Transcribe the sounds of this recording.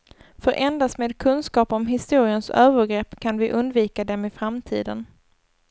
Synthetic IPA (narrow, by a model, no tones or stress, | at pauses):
fœɾʔɛnd̪ast̪meːd̪kʰɵnskɑːpɔmɦɪst̪uːɾɪənsøːvəɾɡɾɛpːkʰanvɪʔɵnd̪viːkad̪ɛmɪfɾamt̪ʰḭːd̪ən